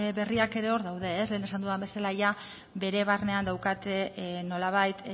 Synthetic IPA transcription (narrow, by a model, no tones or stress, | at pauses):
βe̞riake̞ɾe̞o̞ɾðawðe̞ːsle̞ːne̞sand̪uðambe̞salaʝa | βe̞ɾe̞β̞arne̞and̪awkat̪e̞no̞laβ̞ajt̪